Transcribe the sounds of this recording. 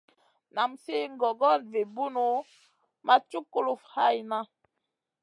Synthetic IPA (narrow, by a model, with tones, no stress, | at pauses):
na˨mse˦ŋ̩˦ɡɔ˨ɡɔ˦˨n˨ve˨bu˦no˨˦ | ma˦tu˦ko˦lu˨fha˦˨jna˦